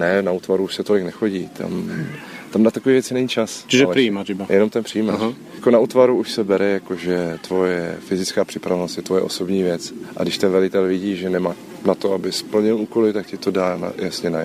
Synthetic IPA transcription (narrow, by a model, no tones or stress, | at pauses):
nɛnauːt̪vaɾuuːʃsɛt̪o̞lɪknɛxo̞ɟiːt̪ʰa̰m | t̪amnat̪akoviːvjɛt͡sɪnɛɲit͡ʃast͡ʃiʒalɛpɾiimatɪbajʔɛnomt̪ɛnpr̥ijiːmajjakonaʔut̪vaɾuuʃsɛbɛɾɛjakoʒɛt̪vojɛfɪzɪt͡skaːpr̥ɪpɾavɛnost̪jɛt̪vojɛ̰ʔoso̞bɲiːvjɛt͡sʔa̰dɪʃt̪ɛnvɛlɪt̪ɛlvɪɟiːʒɛnɛmaː | nat̪o̞abɪspl̩ɲɪluːko̞lɪt̪akcɪt̪o̞daːna̰jasɲɛnaj